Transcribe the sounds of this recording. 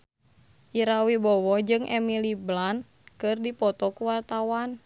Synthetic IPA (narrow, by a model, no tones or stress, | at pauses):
ʔiɾawibɔwɔhd͡ʒɨŋʔɛ̰miliblan | kɨrdipɔt̪ɔkuwart̪awan